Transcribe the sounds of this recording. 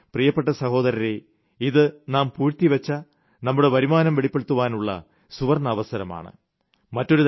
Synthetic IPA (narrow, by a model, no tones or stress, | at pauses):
prijɐpːe̞ʈːɐsɐho̞ːðɐɾɐɾe | iðɨnaːmpuːrt̪ːiʋɐt͡ɕːɐ | nɐmːuɽe̞ʋɐɾimaːnɐmʋeɭipːeɽut̪ːuʋaːnuɭːɐ̰ | suʋɐrnɐːʋɐsɐɾɐma̰ːɳɨ̰ | mɐtːo̞ɾut̪